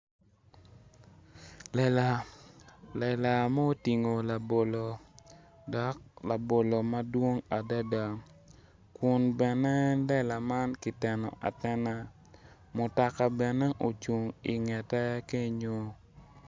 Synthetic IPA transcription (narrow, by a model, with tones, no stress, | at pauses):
lɛ˨la˨ | lɛ˨la˨ma˦o˦ti˨ŋo˨la˨bo˨lo˨ | dɔ˨k̚la˨bo˨lo˨ma˦dwo˦ŋa˨da˦da˨ | kʊ˦nbɛ˨nɛ˦lɛ˦la˨ma˦nki˨tɛ˨nɔ̰˨ʔa̰˨tɛ˦na˦ | mʊ˨ta˨ka˨bɛ˨nɛ˦ʔo˨t͡ʃu˨ŋi˨ŋɛ˨tɛ˦ja˦ke˦ɲo˦